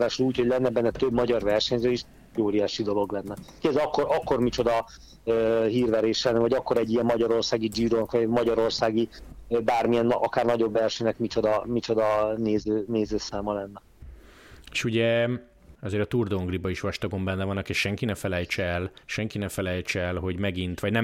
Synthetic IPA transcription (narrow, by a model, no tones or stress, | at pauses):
vaːʃoluːchoɟlɛnːɛbɛnːɛt̪øbmɒɟɒrvɛrʃɛɲzøːeʃ | ɟoːɾijaːʃid̪o̞lo̞ɡlɛnːɛkiɡɛzɛɒkːoɾʔɒkːo̞rmit͡ʃo̞d̪ɒ | øɦiːrvɛɾeːʃlɛnːɛvɒɟɒkːo̞ɾɛɟːijɛmːɒɟɒɾo̞rsaːɡid͡ʒiːɾoːnkɒmɒɟɒɾo̞rsaːɡibaːrmiɛnːɒkaːrnɒɟo̞bːɛlʃøːnɛkmit͡ʃo̞d̪ɒmit͡ʃo̞d̪ɒneːzøːneːzøːsaːmɒlɛnːɛ | e̥ʃuɟɛ | ɒzeːɾɒt̪urd̪oːŋɡribɒiʃʋɒʃt̪ɒɡo̞mbɛnːɛvɒnɒkeʃʃɛŋkinɛfɛlɛjt͡ʃɛɛlʃɛŋkinɛfɛlɛjt͡ʃɛɛlɦo̞ɟmɛɡint̪ʋɒɟnɛ